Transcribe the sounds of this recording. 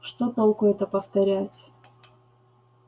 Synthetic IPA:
ʂt̪ot̪olˠkʊɛt̪əpəft̪ɐɾʲætʲ

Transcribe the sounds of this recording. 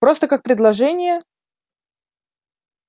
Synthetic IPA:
pɾo̞st̪əkak̚pɾʲɪd̪lˠɐʐɛnʲɪjə

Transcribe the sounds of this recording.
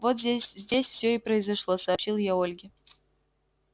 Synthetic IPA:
vot̪zʲesʲzʲdʲesʲfsʲɵɪpɾəɪzɐʂlˠosɐːpɕilˠjaolʲɡʲɪ

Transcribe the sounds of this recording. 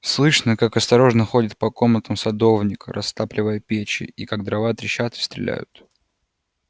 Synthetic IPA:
slˠɨʂnəkakɐst̪ɐɾo̞ʐnəxo̞dʲɪt̪̚pɐko̞mnət̪əmsɐd̪o̞vnʲɪkə̰ɾɐst̪aplʲɪvəjəpʲet͡ɕɪ̰ikaɡ̚d̪ɾɐvat̪ɾʲɪɕat̪ɨ̥st̪ɾʲɪ̰lʲæ̰jʊ̰t̪

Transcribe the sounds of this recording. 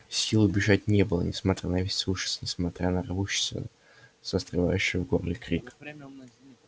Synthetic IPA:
sʲilˠʊbʲɪʐatʲnʲebɨlˠə̰nʲɪsmɐt̪ɾʲanɐvʲesʲsʲvuʂɪ̥snʲɪsmɐt̪ɾʲʔanərɐvuɕːɪ̥st̪və̰ | səst̪rɨva̰jʉɕːɪjəvɡorlʲɪkɾʲik

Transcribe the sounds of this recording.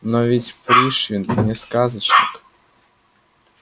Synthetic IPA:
nɔvʲitʲpɾʲiʂʲinnʲɛskazət͡ʃnʲɪk

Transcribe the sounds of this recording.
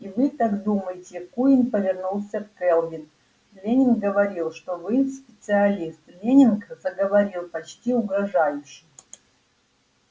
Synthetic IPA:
ivɨt̪akd̪uməjɪtʲɪkuɪnpəvʲɪrnulˠsʲəfkɛlˠjʲɪn | lʲenʲɪnkɡəvɐɾʲilˠʂt̪ovɨsʲpʲɪt̪sɨɐlʲist̪lʲenʲɪnkzəɡəvɐɾʲilˠpɐt͡ɕtʲiʊɡɾɐʐajʊɕːɪj

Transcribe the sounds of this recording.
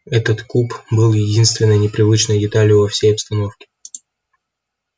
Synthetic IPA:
ɛt̪ət̪kupbɨlˠjɪdʲinst̪vʲɪnːəjnʲɪpɾʲɪvɨt͡ɕnəjdʲɪt̪alʲjʊvɐfsʲejɐpst̪ɐno̞fkʲɪ̥

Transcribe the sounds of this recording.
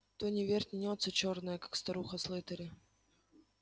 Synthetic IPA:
t̪onʲɪvʲerʲtʲnʲɪnʲot̪sət͡ɕornəjəkḁkst̪ɐɾuxəslˠɨt̪əɾʲɪ

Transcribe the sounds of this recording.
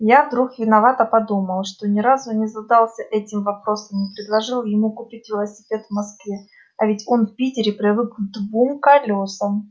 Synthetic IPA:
javd̪ɾuxvʲɪnɐvat̪əpɐd̪uməlˠʂt̪o̞nʲɪɾazʊnʲɪzɐd̪alˠsʲəʔɛtʲɪmvɐpɾo̞səmnʲɪpɾʲɪd̪lˠɐʐɨlˠjɪmukʊpʲitʲvʲɪlˠəsʲɪ̥pʲe̞t̪vmɐskvʲe | ɐvʲɪtʲo̞nfpʲitʲɪɾʲɪpɾʲɪvɨkd̪vumkɐlʲosəm

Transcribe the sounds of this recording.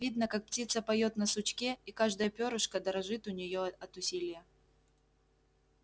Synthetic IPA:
vʲid̪nəkak̚ptʲit̪səpɐjo̞t̪nəsʊt͡ɕkʲeikaʐd̪əjəpʲoɾʊʂkəd̪əɾɐʐɨt̪ʊnʲɪjoɐt̪ʊsʲilʲɪjə

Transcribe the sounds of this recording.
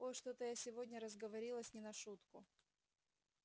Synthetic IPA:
ojʂt̪o̞t̪əjasʲɪvodʲnʲəɾəzɡəvɐɾʲilˠəsʲnʲɪnɐʂut̪kʊ

